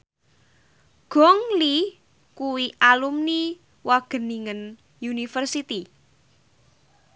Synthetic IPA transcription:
ɡ̥ɔŋli | kuwiʔalumni | waɡ̥ə̤niŋən | junifərsit̪i

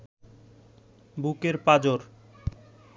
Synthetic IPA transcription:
bukeɾpad͡ʑoɾ

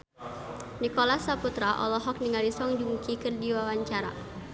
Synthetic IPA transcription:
nikɔlasaput̪ɾaʔɔ̰lɔɦɔk̚niŋalisɔŋdimukikɨrdiwawaɲt͡ʃaɾa̰

